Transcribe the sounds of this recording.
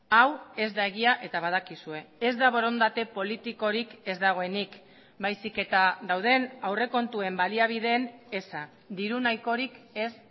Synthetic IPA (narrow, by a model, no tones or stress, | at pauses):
awe̞zd̪ae̞ɣ̞iaʔe̞t̪aβ̞að̞akisue̞ezd̪aβo̞ɾo̞nd̪at̪e̞po̞lit̪iko̞ɾike̞zd̪aɣ̞o̞e̞nik | bajsike̞t̪aðawð̞e̞nawre̞ko̞nt̪ue̞mbaliaβ̞ið̞e̞ːne̞sa | d̪iɾunajko̞ɾike̞s